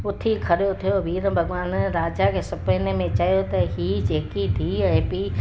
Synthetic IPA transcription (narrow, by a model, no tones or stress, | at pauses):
ʊt̪ʰikʰɐɾijot̪ʰijoʋiːɾəbʱɐɡʋaːnɾaːd͡ʒakʰeːsɐpənemẽt͡ʃaːjot̪ɐɦid͡ʒeːkit̪ʰiɛ̃ɪ̃pi